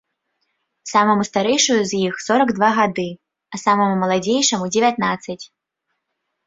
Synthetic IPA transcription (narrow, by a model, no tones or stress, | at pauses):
samɐmust̪aɾɛjʂujuzjixsɔɾɐɡd̪vaɣad̪ɨ | ɐsamɐmumɐlˠad͡zʲejʂɐmud͡zʲɛvʲjat̪nat̪sːɐt͡sʲ